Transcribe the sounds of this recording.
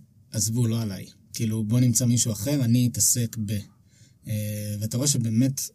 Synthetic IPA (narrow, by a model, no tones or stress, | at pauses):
ʔazvulo̞ala̰j | kiːlubo̞nimt͡samiʃuaχe̞ʁaniːtase̞kbe | veataʁoeʃebe̞ːmet